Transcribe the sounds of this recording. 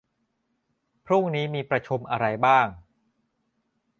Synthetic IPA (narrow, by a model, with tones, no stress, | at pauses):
pʰɾu˥˩ŋniː˦˥miː˧pɾa˧t͡ɕʰu˧mʔa˧ɾa˧jbaː˥˩ŋ